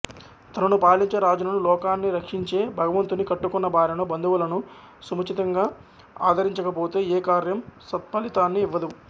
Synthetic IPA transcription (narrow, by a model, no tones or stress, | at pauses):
t̪ɐnɐnupaːliɲt͡ʃeɾaːd͡ʒɐnɐnulɔːkaːnːiɾɐkʂiɲt͡ʃe̞ːbʱɐɡɐʋɐnt̪unikɐʈːukɔnːɐbʱaːɾɐnobɐnd̪uʋulɐnu | sumɐt͡ʃit̪ɐŋɡaː | a̰ːd̪ʱɐɾiɲt͡ʃɐkɐpo̞ːt̪e̞ːeːkaːɾjɐmsɐt̪̚pɐlit̪aːnːiːʋːɐd̪u